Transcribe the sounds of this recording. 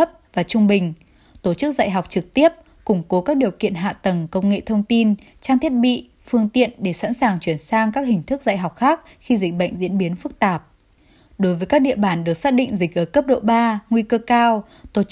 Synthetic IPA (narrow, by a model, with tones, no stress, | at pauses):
p̚vaː˨˩t͡ɕʊ˧ŋ͡mɓï˨˩ŋ̟ | t̪o˧˩t͡ɕɨ˦˥k̚za̰ː˧˨jɦa˨˩wk͡p̚t͡ɕɨ˨˩k̚t̪i˦˥əp̚ | kʊ˧˩ŋ͡mko˨˦kaː˦˥k̚ɗi˨˩əwkḭ˧˨ənɦa̰ː˧˨t̪ə˨˩ŋkə˧wŋ͡mŋḛ˧˨t̪ʰə˧wŋ͡mt̪i˧n | t͡ɕaː˧ŋt̪ʰi˦˥ət̚ɓḭ˧˨ | fɨ˧əŋt̪ḭ˧˨ənɗe˧˩sa̰˧˥nsaː˨˩ŋt͡ɕwi˧˩ənsaː˧ŋkaː˦˥k̚hï˨˩ŋ̟t̪ʰɨ˦˥k̚za̰ː˧˨jɦa˨˩wk͡p̚xaː˦˥k̚ | xi˧zï˨˩k̟̚ɓə̰˧˨jŋ̟zḭ˧˥ənɓi˨˦ənfɨ˦˥k̚t̪aː˨˩p̚ | ɗo˨˦jvəː˨˦jkaː˦˥k̚ɗḭ˧əɓaː˧˩nɗɨ˨˩ək̚saː˦˥k̚ɗḭ̈˧˨ŋ̟zi˨˩k̟̚ʔəː˧˩kə˦˥p̚ɗo̰˧˨ɓaː˧ŋwi˧kəː˧kaː˧w | t̪o˧˩